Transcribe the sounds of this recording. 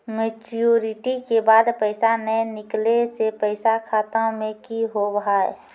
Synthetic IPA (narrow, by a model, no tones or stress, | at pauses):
met͡ʃoɾɪʈikebaːd̪pəɪsanəjnɪklesepəɪsakʰaːt̪ãmẽkiɦobɦae